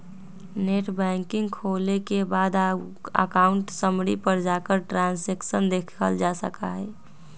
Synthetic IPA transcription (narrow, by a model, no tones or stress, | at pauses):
neʈbɛ̃ːŋkɪŋɡkʰoːlekebaːd̪ | ə̰kaʊɳʈsəmɽipəɾd͡ʒaːkəɾʈɾãːnseksənd̪ekʰəld͡ʒasə̰kaɦɛː